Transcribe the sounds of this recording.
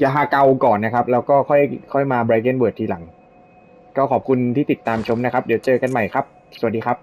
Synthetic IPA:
jaː˨˩ɦaː˧˩ka˧wkɔː˨˩nːa˦˥kʰa˦˥p̚lɛː˦˥wkɔː˥˩kʰɔ˥˩jkʰɔ˥˩jmaː˧bɾaː˧ke˥˩nwɤː˨˩t̪̚ʰːiː˧la˩˦ŋ | kɔː˥˩kʰɔː˨˩p̚kʰu˧nt̪ʰiː˥˩t̪i˨˩t̪ːaː˧mt͡ɕʰo˧˦˥mna˦˥kʰa˦˥p̚di˩˦wt͡ɕɤː˧ka˧nma˨˩jkʰa˦˥p̚ | su˨˩diː˧kʰa˦˥p̚

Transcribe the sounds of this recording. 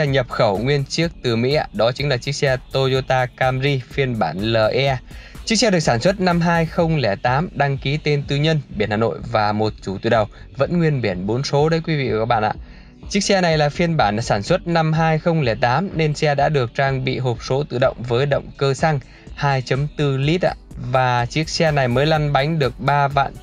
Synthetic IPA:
ɛ˧ɲə˨˩p̚xə˧˩wŋwi˧ənt͡ɕi˦˥ək̚t̪ɨ˨˩mḭ˧˥a̰ː˧˨ɗɔ˨˦t͡ɕi˨˦ŋlaː˨˩t͡ɕi˦˥ək̚sɛ˧t̪o˧zo˧t̪aː˧kaː˧mzi˧fi˧ənɓaː˧˩nləː˨˩ʔɛ˧t͡ɕi˦˥k̚sɛ˧ɗɨ˨˩ək̚saː˧˩nswə˦˥t̚na˧mɦaː˧jxə˧wŋ͡mlɛ˧˩t̪aː˨˦mɗa˧ŋki˨˦t̪e˧nt̪ɨ˧ɲə˧nɓi˧˩ənhaː˨˩no̰˧˨jvaː˨˩mo˨˩t̚t͡ɕu˧˩t̪u˧˩ɗə˨˩w | və̰˧˥nŋwi˧ənɓi˧˩ənɓo˨˦nso˨˦ɗə˨˦jkwi˨˦vḭ˧˨ka˧˨˦ɓa̰ː˧˨nʔa̰ː˧˨ | t͡ɕi˦˥k̚sɛ˧na˨˩jlaː˨˩fi˧ənɓaː˧˩n˨saː˧˩nswə˦˥t̚na˧mɦaː˧jxə˧wŋ͡mlɛ˧˩t̪aː˨˦mne˧nsɛ˧ɗa̰ː˧˥ɗɨ˨˩ək̚t͡ɕaː˧ŋɓḭ˧˨ɦo˨˩p̚so˨˦t̪ɨ̰˧˨ɗə̰˧˨wŋ͡mvəː˨˦jɗə̰˧˨wŋ͡mkəː˧sa˧ŋ | haː˧jt͡ɕə˨˦mt̪ɨ˧li˦˥t̚ʔa̰ː˧˨vaː˨˩t͡ɕi˦˥ək̚sɛ˧na˨˩jməː˨˦jla˧nɓa˨˦jŋ̟ɗɨ˨˩ək̚ɓaː˧va̰ː˧˨n

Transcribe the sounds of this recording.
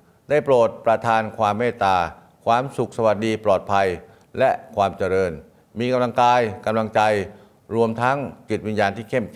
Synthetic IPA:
daː˥˩jpɾoː˨˩t̪̚pɾa˧t̪ʰaː˧nkʰwaː˧mːeː˥˩t̪aː˧ | kʰwaː˧msu˨˩k̚sa˧wa˨˩t̪̚diː˧plɔː˨˩t̪̚pʰa˧j | lɛ˦˥ʔkʰwaː˧mt͡ɕa˧ɾɤː˧n | miː˧ka˧mla˧ŋkaː˧jka˧mla˧ŋt͡ɕa˧j | ɾu˧əmt̪ʰa˦˥ŋt͡ɕi˨˩t̪̚wi˧njaː˧nt̪ʰiː˥˩kʰe˥˩mk

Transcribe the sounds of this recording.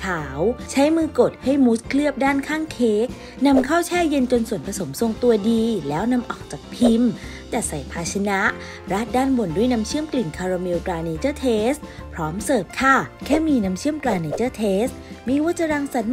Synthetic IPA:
kʰaː˩˦wt͡ɕʰa˦˥jmɯː˧ko˨˩t̪̚ha˥˩jmu˦˥t̪̚kʰlɯ˥˩əp̚daː˥˩nkʰaː˥˩ŋkʰeː˦˥k̚ | na˧mkʰaː˥˩wt͡ɕʰɛː˥˩je˧nt͡ɕo˧nsu˨˩ənpʰa˧so˩˦mso˧ŋt̪u˧ɐdiː˧lɛː˦˥wna˧mʔɔː˨˩k̚t͡ɕaː˨˩k̚pʰi˧m | t̪ɛː˨˩sa˨˩jpʰaː˧t͡ɕʰa˧na˦˥ʔ | ɾa˦˥˩t̪̚daː˥˩nbo˨˩ndu˥˩ə˨jna˧˦˥mt͡ɕʰi˥˩əmt̪ɯː˨˩nkʰaː˧ɾa˧mi˧wt̪ɾaː˧niː˧t͡ɕɤː˥˩t̪ʰeː˦˥st̪̚ | pʰɾɔː˦˥msɤː˨˩p̚k̪ʰa˥˩kʰɛː˥˩miː˧na˦˥mt͡ɕʰi˥˩əmt̪ɾaː˧ni˧t͡ɕɤː˥˩t̪ʰeː˦˥st̪̚miː˧wa˦˥t̚t͡ɕa˧ɾaː˧ŋsa˨˦n

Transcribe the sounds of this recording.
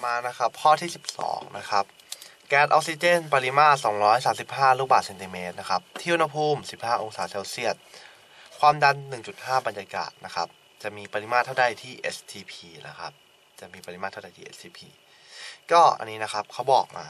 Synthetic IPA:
maː˧na˦˥kʰa˦˥pːʰɔː˥˩t̪ʰiː˥˩si˨˩p̚sɔ̰ː˩˦ŋnʔa̰˦˥kʰa˦˥p̚ | kɛː˦˥t̪̚ʔɔ̰˧˥k̚si˧t͡ɕe˥˩npa˧li˦˥maː˥˩t̪̚sɔː˩˦ŋɾɔː˦˥jsaː˩˦msi˨˩p̚haː˥˩ɾuː˧˥˩baː˨˩t̪se˧nt̪i˧meː˦˥t̪̚na˦˥kʰa˦˥p̚t̪ʰiː˥˩ʔu˧nha˧pʰuː˧˥˩msi˨˩p̚haː˥˩ʔo˧ŋsaː˩˦se˧wsi˥˩ət̪̚ | kʰwaː˧mda˧nːɯ˨˩ŋt͡ɕu˨˩t̪̚haː˥˩ba˧njaː˧ka̰ː˨˩t̪̚na˦˥kʰa˦˥p̚ | t͡ɕa˨˩miː˧pa˧li˧˥maː˥˩t̪ʰːda˧˩jt̪ʰiː˥˩ʔe˦˥st̪ʰiː˧pʰiː˧na̰˦˥kʰa̰˦˥p̚ | t͡ɕa˨˩miː˧pa˧i˦maː˦˥˩t̪ʰːa˥˩da˨˩jt̪ʰiː˥ʔḛ˦˥t̪ʰiː˧pʰḭː˧ | kɔː˥˩ʔa̰˧nːiː˦˥na˦˥kʰa˦˥p̚kʰa˦˥wbɔː˨˩k̚ma̰ː˧

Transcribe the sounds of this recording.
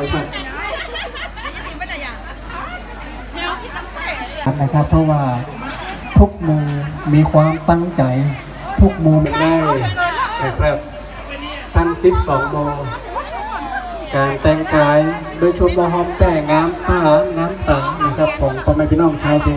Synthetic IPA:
kʰa˧˩ | a˨˦nna˧˩kʰa˧˩pʰːɔ˧˥waː˧˩ | t̪ʰu˦˥k̚moː˧ŋmiː˧kʰwaː˧˥mt̪a˧˩ŋt͡ɕa˨˩j | t̪ʰu˦˥k̚moː˧ŋmɛ˧˩nda˧˥˩na˧˩kʰa˧˩p̚ | t̪ʰa˧˥˩nsi˨˦˥p̚sɔː˨˩˦ŋboː˧ | kaː˨˩nt͡ɕɛː˧˩ŋkaː˨˦j | doː˧˨t͡ɕʰu˧˩p̚waː˧ɦɔː˧˩˨mt͡ɕa˧˩jŋaː˧˥˨mt̪aː˧˩naː˧˥˨mt̪a˨˩ŋna˧˩kʰa˧˩p̚kʰɔː˨˦ŋpɔː˧ma˧˨˩t̪ʰi˧nɔː˥˩ŋt͡ɕʰaː˧˥˨p̪ʰiː˧˦

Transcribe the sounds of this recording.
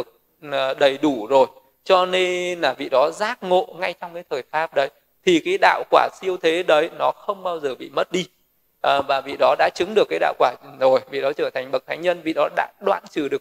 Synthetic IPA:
ək̚ː | ɗə˨˩jɗu˧˩zo˨˩j | t͡ɕɔ˧ne˧nlaː˨˩vḭ˧˨ɗɔ˨˦zaː˦˥k̚ŋo̰˧˨ŋa˧jt͡ɕɔ˧wŋ͡mkaː˨˦jt̪ʰəː˨˩jfaː˦˥p̚ɗə˨˦j | t̪ʰi˨˩kaː˨˦jɗa̰ː˧˨wkwaː˧˩si˧əwt̪ʰe˨˦ɗə˨˦jnɔ˨˦xə˧wŋ͡mɓaː˧wzəː˨˩ɓḭ˧˨mə˦˥t̚ɗi˧ | ʔəː˨˩vaː˨˩vḭ˧˨ɗɔ˨˦ɗa̰ː˧˥t͡ɕɨ˨˦ŋɗɨ˨˩əkːaː˨˦jɗa̰ː˧˨wkwaː˧˩zo˨˩jvḭ˧˨ɗɔ˨˦t͡ɕəː˧˩t̪ʰa˨˩ŋ̟ɓə˨˩t̚t̪ʰaː˨˦jɲə˧nvḭ˧˨ɗɔ˨˦ɗa̰ː˧˥ɗwa̰ː˧˨nt͡ɕɨ˨˩ɗɨ˨˩ək̚

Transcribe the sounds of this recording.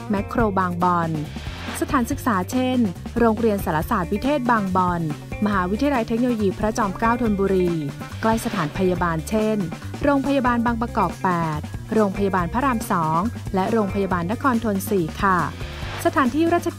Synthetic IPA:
mɛ˦˥kʰːɾoː˧baː˧ŋbɔ˧nsa˧t̪ʰaː˩˦nsɯ˨˩k̚saː˩˦t͡ɕʰe˥˩nɾoː˧ŋɾi˧ənsaː˩˦la˧˥saː˨˩t̪̚pʰi˦˥t̪ʰeː˥˩t̪̚baː˧ŋbɔ˧nma˧ɦaː˩˦wi˦t̪ʰi˧ja˧la˧jt̪ʰe˦˥k̚noː˧loː˧jiː˧pʰɾa˦˥t͡ɕɔː˧mkaː˥˩wt̪ʰo˧nbuː˧ɾiː˧ | kla˥˩jsa˧t̪ʰaː˩˦npʰa˧ja˧baː˧nt͡ɕʰe˥˩nɾoː˧ŋpʰa˧ja˧baː˧nbaː˧ŋpɾa˧kɔː˨˩k̚pɛː˨˩t̪̚ɾoː˧ŋpʰa˧ja˧baː˧npʰaː˦˥ɾaː˧msɔː˩˦ŋlɛ˦˥ɾoː˧ŋpʰa˧jaː˧baː˧nːa˦˥kʰɔː˧nt̪ʰo˧nsiː˨˩kʰa˥˩sa˧t̪ʰaː˩˦nt̪ʰiː˥˩ɾaː˥˩t̪̚t͡ɕʰa˧

